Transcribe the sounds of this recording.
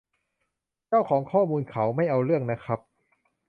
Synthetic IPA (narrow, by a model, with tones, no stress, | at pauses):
t͡ɕaː˥˩wkʰɔː˩˦ŋkʰɔː˥˩muː˧nkʰa˩˦wma˥˩jʔa˧wɾɯ˥˩əŋna˦˥kʰɾa˦˥p̚